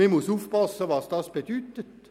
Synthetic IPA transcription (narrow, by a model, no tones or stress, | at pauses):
ɛmʊsuːfpɑsəʋɑsd̥̪ɑsb̥ed̥̪yːt̪ət̪